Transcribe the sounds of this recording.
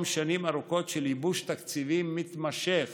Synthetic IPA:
mʃanimaʁuko̞t̪ʃelibuʃt̪akt͡sivimːit̪maʃeχ

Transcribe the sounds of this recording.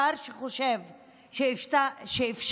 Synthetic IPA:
aɾʃeχoʃev | ʃetʃeifʃ

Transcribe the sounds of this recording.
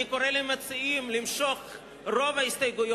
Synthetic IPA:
ikoɾelemat͡siimlimʃo̞χ | ʁo̞vaist̪ajɡujo

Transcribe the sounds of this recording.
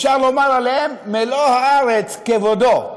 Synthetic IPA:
ʃaʁlomalalehemːelohaaʁet͡skevodo

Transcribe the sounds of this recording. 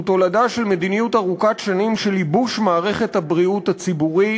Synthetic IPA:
t̪o̞ladaʃe̞lme̞d̪inijutaʁukatʃanimʃelibuʃmaːʁe̞χe̞thabʁiut̪hat͡sibuʁi

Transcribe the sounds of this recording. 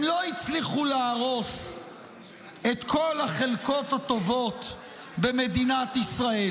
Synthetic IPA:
mlo̞it͡sliχuleːʁo̞s | e̞t̪kʰo̞lhaχe̞lko̞t̪hat̪o̞vo̞t̪ | be̞me̞d̪inat̪isʁael

